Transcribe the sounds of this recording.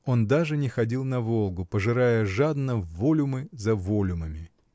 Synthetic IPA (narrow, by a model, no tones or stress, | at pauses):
o̞nd̪aʐɨnʲɪxɐdʲilˠnɐvo̞lˠɡʊpəʐɨɾajəʐad̪nəːo̞lʲʊmɨzɐvolʲʊməmʲɪ